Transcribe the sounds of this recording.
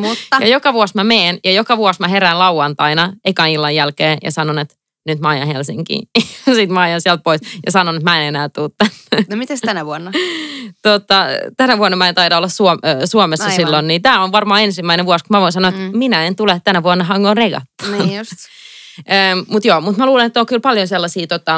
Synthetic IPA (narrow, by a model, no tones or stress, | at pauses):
mujɑjokɑʋuɑsmæmeːnjɑjokɑʋuɑsmæɦeɾæːnlɑuɑnt̪ɑinɑeikɑːnilːɑjjælkeːjɑ̰sɑnonet̪ | nyt̪mæɑjɑ̰helsḭŋkḭːsit̪mæɑjɑnsiɛælt̪̚poisjɑsɑnonet̪mæenenæːt̪uːt̪t̪ænːnmit̪est̪ænæʋuonːɑt̪ot̪ːɑt̪ænæʋuonːɑmæent̪ɑidɑolːɑssuosuomesːɑssilːonniːt̪æːonʋɑrmɑːensimːæineʋuɑskummæʋoinsɑnoet̪minæent̪ulet̪t̪ːænæʋuonːɑɦɑŋɡoreɡɑ̰t̪ːɑ̥ns | əːmmut̪joːmut̪mæluːlenet̪ːokylpɑljonselːɑsiːt̪ot̪ːɑ